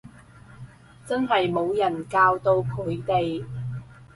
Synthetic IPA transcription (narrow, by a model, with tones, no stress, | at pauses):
t͡sɐ˥nɦɐ˨jmo˨˧wjɐ˨˩nkaː˧wt̪o˧wkʰɵː˨˥ɥt̪e˨j